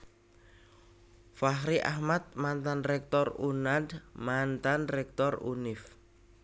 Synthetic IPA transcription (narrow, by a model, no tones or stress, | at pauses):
faɦɾiʔa̰hmat̪̚mant̪anrɛk̚t̪ɔrunad̪mant̪anrɛk̚t̪ɔrṵnɪf